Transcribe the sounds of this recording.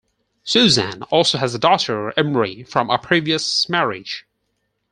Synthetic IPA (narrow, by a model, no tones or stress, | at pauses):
sʉzæ̃nɔˑlˠsoʊəzədɔɾə˞ɛ̃mɹifɹə̃məpʰɹ̥iviəsmɛɹɪ̰d̥ʒ̥